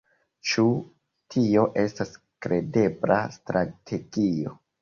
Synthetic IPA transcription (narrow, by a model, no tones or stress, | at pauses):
t͡ʃu | tʰio̞ʔe̞stas | kɾe̞de̞bla̰stɾatʰe̞ɡ̥io̞